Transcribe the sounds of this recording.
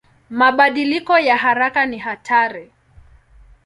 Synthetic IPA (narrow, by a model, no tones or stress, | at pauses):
maɓaɗilikɔjaɦaɾakaniɦatʰaɾi